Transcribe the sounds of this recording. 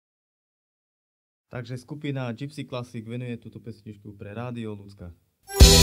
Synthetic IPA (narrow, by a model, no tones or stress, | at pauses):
t̪aɡʒɛskupinad͡ʒipsiklasiɡʋɛnujɛt̪uːt̪ɔpɛsɲit͡ʃkupɾɛɾaːd̪iɔlut͡ska